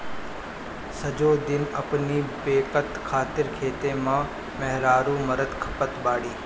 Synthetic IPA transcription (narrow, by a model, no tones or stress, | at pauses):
sɐd͡ʒoːd̪ɪnɐpnipeːkət̪kʰaːt̪ɪɾkʰeːt̪eːmãː | mɛɦɾaːɾũːmɐɾəd̪kʰɐ̥pət̪baːɽiː